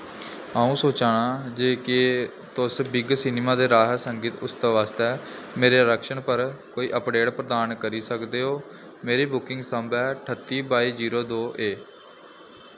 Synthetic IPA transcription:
aːũːsoːt͡ʃaːɽaːd͡ʒeːke | t̪ʊsbɪɡsɪneːmaːd̪eːɾaːɦsəŋɡiːt̪ʊsd̪aːʋaːst̪ɛː | meːɾeːɾəkʃəɳpəɾkoːiːʔəpɖeːɽpɾəd̪aːnkəɾiːsəkd̪eːɦoː | meːɾeːbʊkɪ̃ŋɡsəmbɛːʈʰət̪ːiːbaːiːd͡ʒiːɾoːd̪oːʔeː

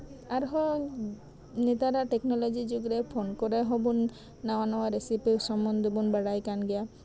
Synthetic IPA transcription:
aɾɦɔ | net̪aɾaʈeknɔlɔd͡ʒid͡ʒuɡɾɛpʰonkɔɾɛɦɔbunː | awanɔwaɾesipisɔmːɔnd̪ɔbunbaɽajkanɡɛja

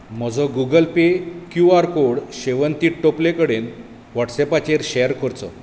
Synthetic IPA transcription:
m̤ɔd͡zʱɔɡuɡəlpekjuaɾkoɽɕeʋənt̪iːʈʈoplekəɽen | ʋɔʈsɛpat͡ɕeɾɕejəɾkəɾt͡sɔ

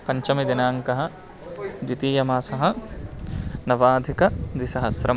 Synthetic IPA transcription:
pɐɲt͡ʃɐmid̪inaːŋkɐɦɐ̆ | d͡ʒ̪it̪iːjɐmaːsɐɦɐ̆ | nɐʋaːd̪ʱikɐd̪isɐɦɐsɾɐ

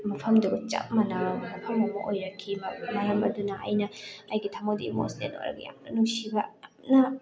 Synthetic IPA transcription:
mɐpʰɐmduɡɐt͡ʃɐ̰p̚mɐlɐmɐpʰɐmɐmɐʔojɾɐkʰimɐmɐlɐmɐdunɐʔɐ̰jnɐɐjɡitʰɐmodḭmo̰slḛno̰jɾɐ̰ɡɐja̰mnɐnuŋsibɐ | nɐ

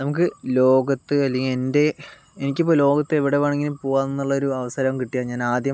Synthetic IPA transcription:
nɐmuk̬ːɨlo̞ːɡɐt̪ːɨɐlːɐŋiende̞ | enikʲːɐp̬ːoːlo̞ːɡɐt̪ːɨeʋiɽe̞ʋɐːɳɐŋːilipoːɣaːnːenːuɭːɐo̞ɾuɐʋɐsaːɾɐɐmkiʈːijaːɲaːnaːd̪jɐ

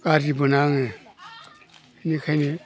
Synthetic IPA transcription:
kad͡ʒibunaŋe | inikʰani

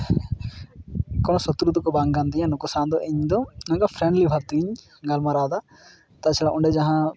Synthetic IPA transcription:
kɔñɔsɔt̪ɾud̪ɔkɔbaŋɡand̪ijãnukɔsand̪ɔʔeɲd̪ɔnãŋɡapʰɾɛ̃ɳɖlibʱaɾt̪iɲ | ɡalmaɾaːd̪a | t̪at͡ʃʰɛlaʔɔɳɖɛd͡ʒaɦã

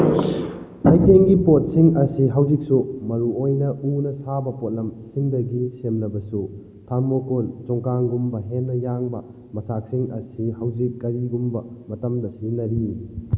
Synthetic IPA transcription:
hajkeŋɡipot̚siŋɐsiɦɐwzik̚sumɐɾuojnɐʔunɐsabɐpot̚lɐmsiŋdɐɡisemlɐbɐsu | tʰaŋmokolt͡ʃɔŋkaŋɡumbɐɦenːɐjaŋbɐ̰ | mɐsak̚siŋɐsihɐwd͡ʒikːɐɾiɡumbɐmɐtɐmdɐsinɐɾi

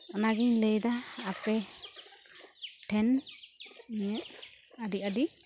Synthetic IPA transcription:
ɔnaɡiɲləjd̪aːpɛ | ʈʰɛn | ɲəʔ | aɖiaɖi

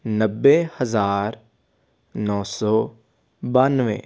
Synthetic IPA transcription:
nəbːehəzaːɾ | nɔ̃ːsɔː | baːnʋḛː

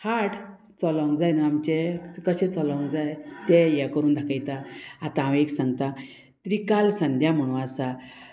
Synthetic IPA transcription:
haʈʰ | t͡sɔlɔ̃wŋɡd͡zajnəamt͡ɕekəɕẽt͡sɔlɔ̃ŋd͡zajt̪ejɛkəɾuːnd̪ʱakajt̪aat̪ããʋeksãŋɡt̪a | t̪ɾikalsənd̪ʱjam̤əɽ̃ũasa

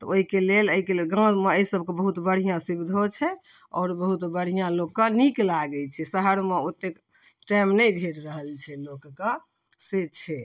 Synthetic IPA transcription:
t̪ɔoɦikeleləɦikelelɡãmeəisəb̚ʱkebəɦut̪bəɽ̤ijãsibid̪ʱot͡ʃʰɛ | ɔ̰ːɾbəɦut̪bəɽ̤ijãlokːəniklaɡɛt͡ʃʰɛsəɦəɾmeot̪ːek | ʈajmnɛbʱeɾɾəɦəlt͡ʃʰɛlokkə | set͡ʃʰɛ

